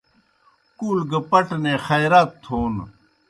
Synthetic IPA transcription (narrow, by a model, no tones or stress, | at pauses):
kulɡɐpɐʈneːxɐjɾaːt̪ʰːoːn